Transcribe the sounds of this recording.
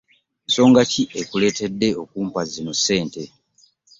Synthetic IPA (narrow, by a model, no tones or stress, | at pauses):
nso̞ːŋɡaciʔekule̞ːte̞dːe̞o̞kuːmpazino̞se̞ːnte̞